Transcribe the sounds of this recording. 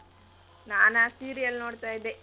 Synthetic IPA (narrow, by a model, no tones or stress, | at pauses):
naːnasiːɾijɐlnoːɽt̪aːjid̪e